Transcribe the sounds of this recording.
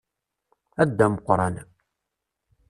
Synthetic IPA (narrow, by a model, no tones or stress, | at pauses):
æd̪ːæməqɾˤɑ̰n